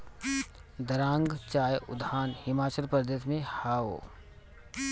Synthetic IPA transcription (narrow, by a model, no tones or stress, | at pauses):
d̪əɾãːŋɡt͡ʃaːjʊd̪aːnhɪmaːt͡ʃəɾpəɾd̪eːsmẽhaːo̰ː